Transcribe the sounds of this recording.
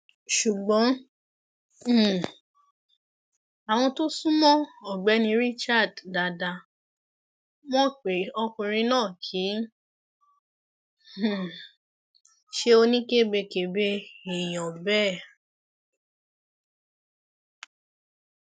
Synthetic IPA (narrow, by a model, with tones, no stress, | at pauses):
ʃu˨ɡ͡bɔ̃˨˦˨ | a˨w̃ɔ̃˧to˦sũ˦mɔ̃˦ɔ˨ɡ͡bɛ˨˦nĩ˧˦ɾi˦t͡ʃa˦˨dda˨˧da˧ | mɔ̃˦k͡pe˨ɔ˧kũ˧ɾ̃ĩ˧nãː˦˨kʰi˨˦˨ | ʃe˦o˧nĩ˦ke˦˨be˧ke˨be˧e˨j̃ɔ̃˨bɛ˦˨